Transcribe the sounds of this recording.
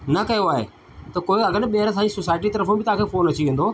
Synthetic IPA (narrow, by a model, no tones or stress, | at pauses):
nɐkɐjoaːɦḛ | t̪ɐkoːeɐɡəɾɓɐɦɪɾsãːisoːsaːɪʈ̬it̪ɐɾəfũbɪt̪ɐɦãkʰeːfoːnɐt͡ɕiʋẽːnd̪oː